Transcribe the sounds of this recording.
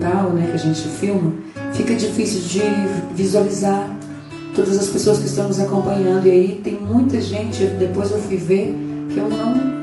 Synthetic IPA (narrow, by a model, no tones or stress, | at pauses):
t̪awnɛkɐʒẽnt͡ʃɪfiwmɐ | fikɐd͡ʒifisɪwd͡ʒɪvizualizaɾ | t̪od̪ɐzɐspesoɐskɪst̪ɐ̃w̃nʊzakõmpɐ̃ɲɐ̃nd̪ʊiait̪ẽj̃mũj̃t̪ɐʒẽnt͡ʃɪd̪epojzewfujveɾkɪewnɐ̃w̃